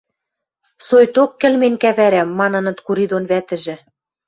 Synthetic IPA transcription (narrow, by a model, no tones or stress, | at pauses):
sojt̪okːɘ̆lmenʲkæβæɾæmːɑnɤ̆nɤ̆t̪kuɾid̪onβæt̪ɘ̆ʒɘ̆